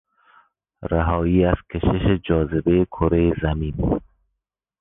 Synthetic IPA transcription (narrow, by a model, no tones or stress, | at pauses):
ɾaɦɒːiːaskʰeʃɪʃed͡ʒɒːzɪbejekʰoɾejezamiːn